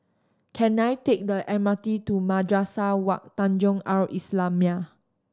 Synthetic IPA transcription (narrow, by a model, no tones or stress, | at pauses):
kʰɛ̃najtek̚dəʔɛmatitumadɹasawak̚t̪ãnd͡ʒɔ̃ŋawʔislãmia